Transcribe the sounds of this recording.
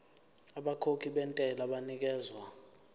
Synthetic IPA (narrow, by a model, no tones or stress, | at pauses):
aɓakʰokʰiɓɛntʼɛlaɓanik̬ɛːzwa